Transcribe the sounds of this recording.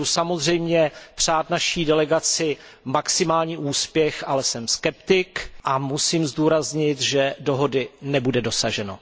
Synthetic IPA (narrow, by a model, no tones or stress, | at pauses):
usamozr̝ɛjmɲɛpr̝̥aːt̪̚naʃiːdɛlɛɡat͡sɪ | maksɪmaːlɲiːʔuːspjɛxʔalɛsɛmskɛpt̪ɪkʔamusiːmzduːɾazɲɪt̪ʒɛdo̞ɦo̞dɪnɛbudɛdo̞saʒɛno̰